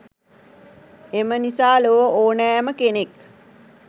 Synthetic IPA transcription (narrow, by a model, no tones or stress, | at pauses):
emənisaːloʋəʔoːnææməkenek